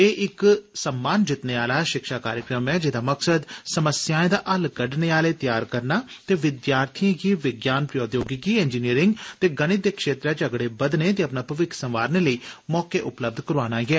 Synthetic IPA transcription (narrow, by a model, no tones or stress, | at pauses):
eːʔɪksəmːaːnd͡ʒɪt̪neːaːlaːʃɪkʃaːkaːɾjəkɾəmɛːd͡ʒɪd̪aːməksəd̪səməsjaːẽːd̪aːʔəlɡəɖneːaːleːt̪jaːɾkəɾnaːt̪eːʋɪd̪jaːɾt̪ʰĩɡiːʋɪɡjaːnpɾəjoːd̪joːɡɪɡiːɛːnd͡ʒiːniəɾɪŋɡt̪eːɡəɽ̃ɪt̪ːeːkʃeːt̪ɾaːt͡ʃəɡɽeːbəd̪neːt̪̬eːəpnaːpəʋɪkʰsə̃mʋaːɾneːləiːmɔːkeːʔʊpləb̚d̪ʱkəɾaːnaːɡɛː